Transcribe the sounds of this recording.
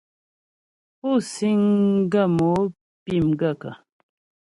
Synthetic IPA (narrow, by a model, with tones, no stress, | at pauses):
u˦˨si˦ŋɡa˦˨mo˨˦ | pi˦˨mɡa˦˨ka̰˨